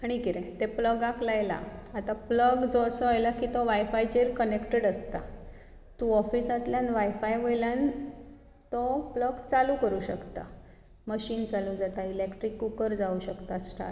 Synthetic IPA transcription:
aɽ̃ikiɾẽt̪epləɡaklajla̰at̪apləɡd͡zɔsəajlakit̪ɔʋajfajt͡ɕeɾkənekʈeɽəst̪a̰ | t̪uɔfisat̪ljanʋajfajʋojljan | t̪ɔpləɡt͡salukəɾuːɕəkt̪a̰ | məɕiːnt͡salud͡zat̪ailekʈɾikːukəɾd͡zauɕəkt̪asʈa̰

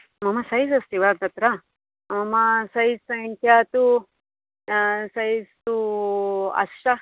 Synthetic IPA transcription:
mɐmɐsɐɦjisɐst̪iʋaːɾd̪ɐt̪ɾa | ɐmɐsɐisɐŋkʰjaːt̪u | sɐist̪u | ɐ̰sʃɐ

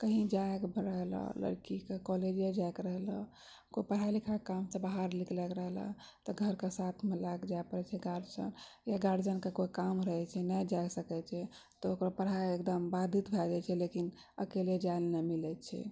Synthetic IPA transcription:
kəɦĩd͡ʒajkbɾəɦlɔ̰lə̰ɾkikekɔled͡ʒed͡ʒajkɾəɦlɔ | koipəɽ̤alikʰakamsebaɦaɾliklɛkɾəɦla̰t̪ɔɡʱəɾkesat̪ʰmelaɡd͡ʒajpəɾɛt͡ʃʰɛɡaɾd͡ʒə̰njaɡaɾd͡ʒənkekoikamɾəɦɛt͡ʃʰɛnad͡ʒajsəkɛt͡ʃʰɛ | t̪ɔokɾapəɽɦaekd̪əmbad̪ʱit̪bʱɛd͡ʒat͡ʃʰɛlekin | ə̰kelied͡ʒalnɛmilɛt͡ʃʰɛ̰

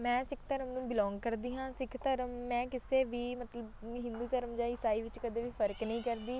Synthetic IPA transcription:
mɛ̃ːsɪkʰt̪əɾəmnũːbɪlɔ̃ːŋɡkəɾd̪iːɦãːsɪkʰt̪əɾəmːɛ̃ːkɪseːʋiːmət̪ləbɦɪ̃nd̪uːt̪əɾəmd͡ʒãːɪsaːiːʋɪt͡ʃkəd̪eːʋiːpʰəɾəknəĩːkəɾd̪iː

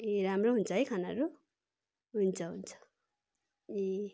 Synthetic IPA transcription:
eɾamroɦunt͡sʰʌɦikʰanaɾu | ɦunt͡sʰʌɦunt͡sʰʌ̥ | e

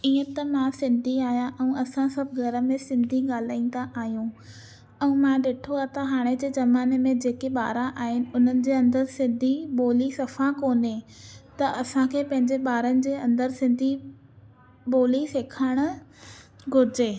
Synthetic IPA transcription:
iːə̃t̪ɐmãsɪ̃nd̪ʱiaːɦijãʔɛ̃ːɐsãsɐbʱɡʱɐɾə̆mẽsɪ̃nd̪ʱiɠaːl̤aːĩn̆d̪aʔaːɦijũ | ɛ̃ũmãɗeːʈʰoaːt̪ɐɦaːɽ̃ed͡ʑeːzɐmaːnemẽd͡ʑeːkeɓaːɾãʔaːɦɪnɪ̆ʊn̤ənɪ̆d͡ʑeːɐ̃nd̪əɾsɪ̃nd̪ʱiɓoːlisɐfakoːnet̪ɐʔɐsãkʰeːpɐ̃ɦɪ̃ɲd͡ʑeɓaːɾənɪ̆d͡ʑeːɐ̃nd̪əɾsɪ̃nd̪ʱi | boːliseːkʰəɽ̃ʊ̆ | ɡʱʊɾɪd͡ʑeː

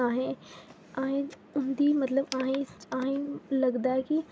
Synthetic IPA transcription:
aːɦẽ | aːɦẽ | ʊnd̪imɐt̪ləbaːɦẽaːɦẽlɐɡd̪aːɦɛki

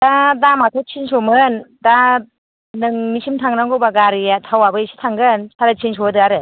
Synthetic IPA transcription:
d̥adamatʰɔt͡ʃʰinsɔmɯnda | nɯŋnisimtʰaŋnaŋɡɔbaɡaɾijatʰawabɯisi̥tʰaŋɡɯnsʰaɾat͡ʃʰinsɔɯdɯaɾɯ

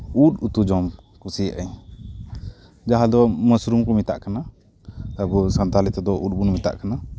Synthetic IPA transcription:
uʈut̪ud͡ʒɔm | kusiaʔaɲ | d͡ʒaɦad̪ɔməsɾumkɔmit̪a̰ʔkana | əbɔsənt̪alit̪ɛd̪ɔʔuʈ̚bunmit̪a̰ʔkana

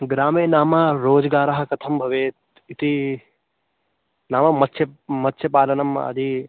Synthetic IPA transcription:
ɡɾaːmeːnaːmɐɾoːd͡ʒɡaːɾɐɦɐ̆kɐt̪ʰɐmbʱɐʋeːt̪̚ | it̪i | naːmɐmɐt̪ːʃɐmɐt̪ːʃɐpaːlɐnɐmɐ̰d̪ʱi

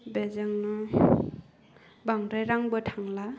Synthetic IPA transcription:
bezaŋnɔ | baŋɾajɾaŋbʌtʰaŋla

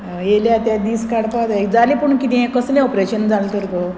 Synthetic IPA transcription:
jeljat̪jad̪iːskaɽpat̪ad͡zalipəɳkit̪ĩẽkəslẽɔpɾeɕənd͡zalt̪əɾt̪o

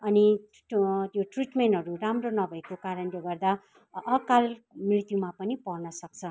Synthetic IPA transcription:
ʌni | t̪joʈriʈmenɦʌɾuramronʌbʱʌekokaɾʌnleɡʌrd̪a | ʌkalmrit̪jumapʌnipʌrnʌsʌk̚t͡sʰʌ

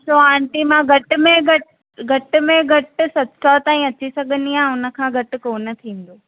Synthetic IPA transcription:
soaːɳʈimãɡʱɐʈʊ̆mẽɡʱɐʈ | ɡʱɐʈʊ̆mẽɡʱɐʈʊ̆sɐtsʰat̪aːĩɐt͡ɕisɐɡʱə̃nd̪iãːʊnə̆kʰãːɡʱɐʈɪ̆konɐt̪ʰĩːn̆d̪oː

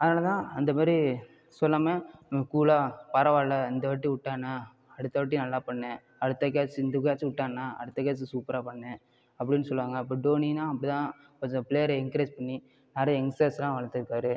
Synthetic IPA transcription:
ɐðɐnaːlɐt̪ãːɐnd̪ɐmaːd̪ɾi | sɔlːɐmeːkuːlaːpɐɾɐʋaːlɐɪnd̪ɐʋɐʈːiʊʈːaːna | ɐɽɯt̪ːɐʋɐʈːinɐlːaːpɐɳːẽ | ɐɽɯt̪ːɐkaːt͡ʃːɪnd̪ɐk̬aːt͡ʃːʊʈːaːŋnãːɐ̰ɽɯt̪ːɐkaːt͡ʃːɯsuːpɐɾaːpɐɳːẽ | ɐpːɐɽɪnːɯsɔlːɯʋaːŋɡɐɪpːoːɖoːninãːɐpːɐɽit̪ãː | kɔɲd͡ʒɐpleːjɐɾɪŋkɐɾeːd͡ʒpɐɳːi | naːɾɐjɛŋsɐːslãːʋɐɭɐt̪ːɯɾɯkːaːɾɯ

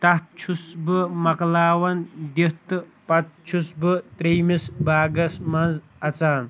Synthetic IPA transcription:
t̪aht̪̚t͡ʃʰusbɨmaqlaːwɐnd̪eht̪ɨpat̪̚t͡ʃʰusbɨt̪ɾejmɪsbaːɡɐsmanz | ɐt͡saːn

